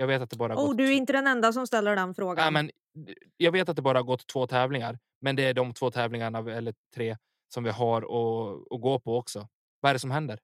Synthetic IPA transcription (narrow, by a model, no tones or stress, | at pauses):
jɑːɡveːt̪at̪̚d̪ɛbɑːɾahauːd̪ɵæɾɪnt̪əd̪ɛnɛnd̪as̬ɔmst̪ɛlːəɖɛnfɾoːɡaɛmɛn | jɑːɡveːt̪at̪̚d̪ɛbɑːɾahaɾɡɔt̪ʰːv̥oːt̪ʰɛːvlɪŋaɾ | mɛnd̪ɛæɖɔmt̪ʰv̥oːt̪ʰɛːvlɪŋaɳaɛlːət̪ʰɾeː | sɔmvɪɦaɾɔɔɡoːpʰɔɔksɔ | vaæɖɛsɔmɦɛnd̪əɾ